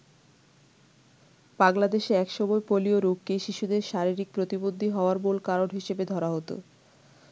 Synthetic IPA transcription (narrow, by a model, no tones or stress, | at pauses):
b̥aŋlad̪eʃeɛkʃɔmɔepolioɾukːeʃiʃud̪eɾʃaɾiɾik̚pɾot̪ibod̪ʱːiɦɔoaɾbolkaɾoɖɦiʃebed̪ʱɔɾaɦot̪o̰